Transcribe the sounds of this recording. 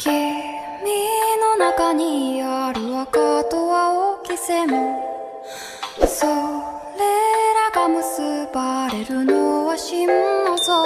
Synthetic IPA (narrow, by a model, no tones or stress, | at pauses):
kʰi | mʲinonakaɲiaɾɯ̟βakat̪owaokʲisemo | so | leɾaɡamɯsɯbaɾeɾɯnoβaɕimoso